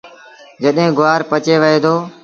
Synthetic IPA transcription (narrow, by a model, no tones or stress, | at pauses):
d͡ʒəɗɦẽːɡʊʋaːɾpət͡ʃeːʋəɦeːd̪oː